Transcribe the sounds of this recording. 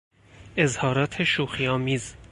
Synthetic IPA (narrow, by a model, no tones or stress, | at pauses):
ezhɒːɾɒːt̪ʰeʃuːxiɒːmiːz